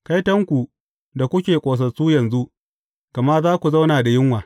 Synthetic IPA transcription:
ka˦jtɐ˦ŋkʷu˨ | da˨kʷʊ˦kʲeː˨kʷʼoː˨s̬ɐ˨suː˦jɐ˨nzu˦ʔ | kɐ˨ma˦rzaː˦kʷu˨za˦wnaː˨da˨jɪ˦ŋwaː˨

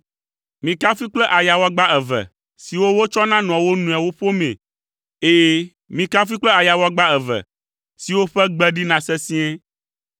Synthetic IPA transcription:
mĩ˨ka˦fi˦k͡plɛ˦ʔa˨ja˨wɔ˦ɡ͡ba˦ɛ˨vɛ̰˨ | si˨wo˦wo˦t͡ʃɔ˦nã˦n˨ɔ̃˨wo˦nũ˨a˨wo˦ɸo˦mḛ̃˨ | e˦je˦ | mĩ˨ka˦fi˦k͡plɛ˦a˨ja˨wɔ˦ɡ͡ba˦ɛ˨vɛ̰˨ | si˨wo˦ɸɛ˦ɡ͡bɛ˦ɖi˦nã˨sɛ˦sĩ˦ɛ˦

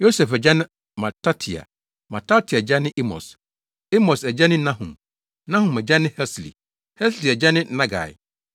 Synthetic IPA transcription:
jo˦sɛ˨fɛ˨d͡ʑɛ˦nɪ̃˦ | mã˨tʰa˦tʰi˨a̰˨ | mã˨ta˦tʰi˨a˨d͡ʑɛ˦nɪ̃˦ʔi˦mɔ̰˨s | i˦mɔ̃˨sɛ˨d͡ʑɛ˦nɪ̃˦nã˦ɦṵ̃˨m | nã˦hũ˨mɛ˨d͡ʑɛ˦nɪ̃˦hɛ˦slḭ˨ | hɛ˦sli˨ɛ˨d͡ʑɛ˦nɪ̃˦nã˦ɡa̰˨j̰

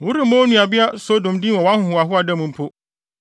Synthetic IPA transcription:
wʊ˦ɾi˦mɔ̃˦nũ˨a˨bɪ˦a˦so˦dõ˨mdĩ˦wɔ˨wã˦hʊ̃˦hʊ̃˨a˨ɦʊ˦a˨dɛ˦mũ˨m̩˦pʰo˦

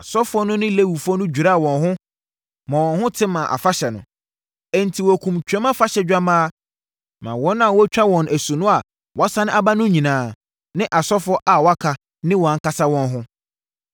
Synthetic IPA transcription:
a˨sɔ˦fʊ˦ɔ˦nʊ̃˦nɪ̃˦le˦wu˨fʊ˦ɔ˦nʊ̃˦d͡ʑᶣu˨ɾa˦˨wɔ̃˨nɦʊ̃˦ | mã˨wɔ̃˨nɦʊ̃˦tʰɪ̃˦mã˨ʔa̰˨fa˦ɕɛ˨nʊ̃˨ | ɛ˨n̩˨tʰi˨wɔ˨kʰũ˨mt͡ɕᶣɛ˦mã˦fa˦ɕɛ˨d͡ʑᶣa˦mãː˦ | mã̰˨wɔ̃˦nã˨wɔ˦t͡ɕᶣa˦wɔ̃˨nʔæ˨su˨nʊ̃˦a˨ | wɔ˦sa˦nɪ̃˦a˦ba˦nʊ̃˦ɲĩ˨nãː˨˦˨ | nɪ̃˦ʔa˨sɔ˦fʊ˦ɔ˦ʔa˨wɔ˨a˦kʰa˨ | nɪ̃˦wɔ˨a˨ŋ̩˦ka˦sa˦wɔ̃˨nɦʊ̃˦

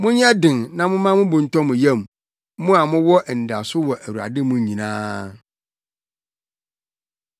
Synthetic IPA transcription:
mʊ̃˦ɲ˦ã˦dɪ̃˨ŋnã˦mʊ̃˦mã˦mʊ̃˦bʊ̃˨n̩˨tɔ̃˦mʊ̃˨ja˦˨m˦ | mʊ̃˦a˨mʊ̃˦wɔ˦ʔɛ˨n̩˨da˨sʊ˦wɔ˨ʔæ˨wu˨a̰˨dɪ˦mʊ̃˦ɲĩ˨nãː˦

